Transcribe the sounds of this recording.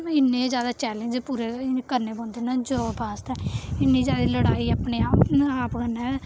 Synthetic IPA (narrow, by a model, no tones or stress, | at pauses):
mɪnːẽːzjaːd̪aːt͡ʃɛːlə̃ɲd͡ʒpuːɾeːkəɾneːbõːnd̪eːnãːd͡ʒoːbʱaːst̪ɛːɪnːĩːzjaːd̪iːləɽaːiːapneːaːaːpkənɛː